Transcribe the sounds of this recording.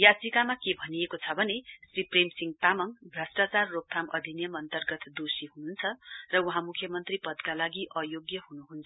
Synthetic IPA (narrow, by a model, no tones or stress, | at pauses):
jat͡sikamakebʱʌnijekot͡sʰʌbʱʌnesripremsiŋɡt̪amʌŋbʱrʌsʈat͡sarːok̚t̪ʰamʌd̪ʱinjʌmʌnt̪ʌrɡʌt̪d̪osiɦununt͡sʰʌrʌuɦãmukʰjʌmʌnt̪ripʌd̪kalaɡiʔʌjoɡjʌɦunuɦunt͡sʰʌ